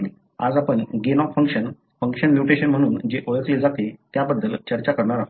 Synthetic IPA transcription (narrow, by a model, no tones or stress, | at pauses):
a̰d͡zapəɳɡenɔfəŋkɕən | fəŋkʂənmjuʈeɕənm̤əɽ̃uːnd͡ʑeʔoɭəkled͡zat̪et̪jabəd̪ːəlt͡ɕəɾt͡ɕakəɾɳaɾaɦ